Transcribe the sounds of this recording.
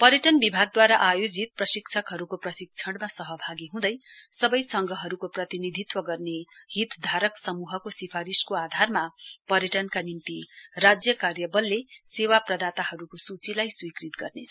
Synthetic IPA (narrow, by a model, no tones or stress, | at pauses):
pʌɾjʌʈʌnbibʱaɡ̚d̪waɾaʔajod͡zit̪̚prʌsikt͡sʰʌkɦʌɾukoprʌsik̚t͡sʰʌɽmasʌɦʌbʱaɡiɦũd̪ʌjsʌbʌjsʌŋɡʱʌɦʌɾukoprʌt̪inid̪ʱit̪wʌɡʌrnehit̪d̪ʱaɾʌksʌmuɦʌkosipʰaɾiskoad̪ʱarmapʌɾjʌʈʌnkanimt̪irad͡zjʌkarjʌbʌlːesewaprʌd̪at̪aɦʌɾukosut͡silajswikrit̪ɡʌrnet͡sʰ